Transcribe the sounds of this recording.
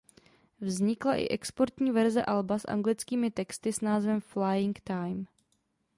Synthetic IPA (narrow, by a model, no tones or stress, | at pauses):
vzɲɪklaʔɪ̰ʔɛkspoɾt̪ɲiːvɛɾzɛʔalbasʔa̰ŋɡlɪt͡skiːmɪt̪ɛkst̪ɪsnaːzvɛmflajɪŋkt̪ajm